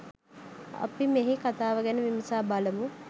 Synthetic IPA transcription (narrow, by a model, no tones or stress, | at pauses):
ɐ̰pimeɦikat̪aːʋəɡænəʋimɐsaːbaləmu